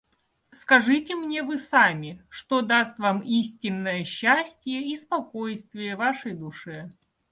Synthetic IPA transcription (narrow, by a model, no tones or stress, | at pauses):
skɐʐɨtʲɪmnʲe̞vɨsamʲɪʂt̪od̪ast̪vamisʲtʲɪnːəjəɕːæsʲtʲɪjəispɐkojst̪vʲɪjəvaʂəjd̪ʊʂɛ